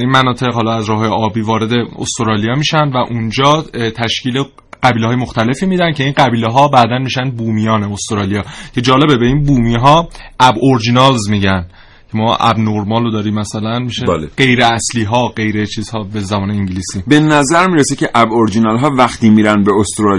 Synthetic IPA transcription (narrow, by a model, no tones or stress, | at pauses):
inmænɒːt̪ʰe̞ɣhɒlɒæzɾɒːhɦːjeʔɒːbiːvɒːɾe̞d̪e̞o̰st̪oɾɒːlijɒːmiːʃænd̪væʔund͡ʒɒːt̪ʰæʃcʰiːle | ɢ̥æbiːlehɒːjemoxt̪æle̞fiːmiːd̪ænd̪cʰe̞inɢæbiːleɦɒːbæd̪ænmiːʃæn̚buːmijɒːneost̪oɾɒlijɒːcʰe̞d͡ʒɒːle̞bebe̞iːnbuːmiːɦɒːʔæboɾd͡ʒinɒlzmiɟæn | cʰe̞mɒːʔæ̰bnoɾmɒːlod̪ɒːɾiːmːæsælænmiʃelɢe̞jɾeæsliːɦɒːɢe̞jɾet͡ʃʰiːz̥hɒːbezæbɒːneiɲɟiliːsiːbenæzæɾmiːɾesecʰʲeʔæboɾd͡ʒinɑlɦɒːvæxt̪iːmiːɾænbeost̪ɾɒl